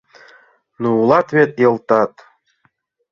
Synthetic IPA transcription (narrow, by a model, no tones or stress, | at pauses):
nuulˠɑt̪βet̪jɤ̆lˠt̪ɑt̪